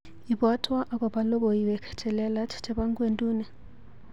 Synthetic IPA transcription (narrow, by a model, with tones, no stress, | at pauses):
i˨ɓwa˦tʰwa˦ʔa˦k̬ʼɔ˨ɓa˦lɔ˦ɓɔ˨i˨βɛ˨kʰɛ̥˨t͡ʃʰʼɛ˨lɛ˦la˦tʰtʰʼɛ˦ɓa˦ŋkʼwe˨ntʼuː˦nɛ˨